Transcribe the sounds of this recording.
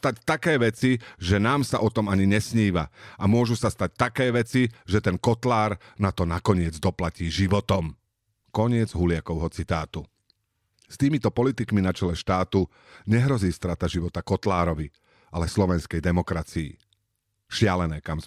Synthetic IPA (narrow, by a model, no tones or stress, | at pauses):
t̪act̪akɛːʋɛt͡siʒɛnaːmsaʔɔt̪ɔmaɲiɲɛsɲiːʋa̰amʊɔʒusast̪ac̚t̪akɛːʋɛt͡siʒɛt̪ɛnkɔt̪laːɾnat̪ɔnakɔɲɪɛd͡zd̪ɔplaciːʒiʋɔt̪ɔm | kɔɲɪɛd͡zɦulɪakɔʊɦɔt͡sit̪aːt̪u | st̪iːmit̪ɔpɔlit̪ikminat͡ʃɛlɛʃt̪aːt̪u | ɲɛɦɾɔziːst̪ɾat̪aʒiʋɔt̪akɔt̪laːɾɔʋi | ʔalɛslɔʋɛnskɛjd̪ɛmɔkɾat͡siḭ | ʃɪalɛnɛːkam